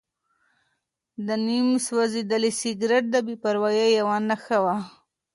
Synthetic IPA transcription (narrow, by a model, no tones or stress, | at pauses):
d̪ənimswazid̪əlisɪɡɾeʈ̚d̪əbipaɾwajajawanaxawa